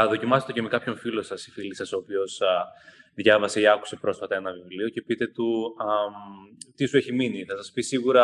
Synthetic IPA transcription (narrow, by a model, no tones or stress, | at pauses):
ɐðo̞cimɐset̪ocemekɐpço̞ɱfilo̞sɐsi̥filisɐso̞ːpio̞s | ðʝɐvɐse̞iɐku̥se̞pɾo̞sfɐt̪ɐe̞nɐvivlio̞ce̞pit̪e̞t̪u | t̪isueçiminiθɐsɐspisiɣuɾɐ